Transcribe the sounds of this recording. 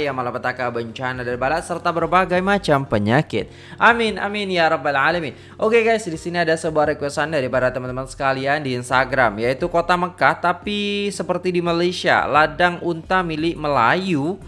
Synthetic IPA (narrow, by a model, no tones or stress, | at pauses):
jaŋmalapət̪akabəɲt͡ʃanadanbalat̪sərt̪abərbaɡajmat͡ʃampəɲakɪ̰t̪̚ | ʔamɪnʔa̰mɪnjaɾɔbalʕalamin | ʔokekajsdisiniadasəbuaɾəkwɛsandaɾipadat̪əmant̪əmansə̥kaliandiːnst̪aɡɾamjait̪ukot̪aməkaht̪apisəpərt̪idimalajsia̰ladaŋunt̪amilɪʔməlaju